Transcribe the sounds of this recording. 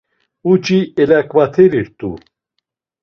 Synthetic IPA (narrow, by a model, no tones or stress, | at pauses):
ut͡ʃʼiɛlakʼvat̪ʰɛɾiɾt̪ʼṵ